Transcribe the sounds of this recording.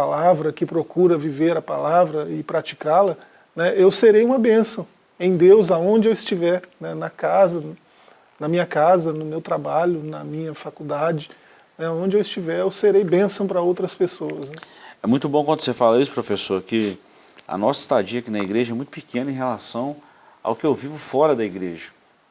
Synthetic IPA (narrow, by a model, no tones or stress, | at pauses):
alavɾɐkɪpɾokuɾɐviveɾɐpalavɾɐɪpɾat͡ʃi̥kalɐ | nɛʔewseɾejũmɐbẽsɐ̃w̃ | ẽj̃d̪ewzaõnd͡ʒɪewɪst͡ʃivɛɾnɛnɐkazɐ | nɐmĩɲɐkazɐnʊmewt̪ɾabaʎʊnɐmĩɲɐfakuwd̪ad͡ʒɪ | nɛaõnd͡ʒɪewɪst͡ʃivɛɾewseɾejbẽsɐ̃w̃pɾɐowt̪ɾɐspesoɐznɛɛmũj̃t̪ʊbõkwɐ̃d̪ʊ̥sefalɐisʊ̥pɾofesoɾkɪ | ɐ̰nɔsi̥st̪ad͡ʒiɐkinɐiɡɾeʒɐɛmũj̃t̪ʊpikẽnɐẽɦelasɐ̃w̃ | a̰wkɪewvivʊfɔɾɐd̪ɐiɡɾeʒɐ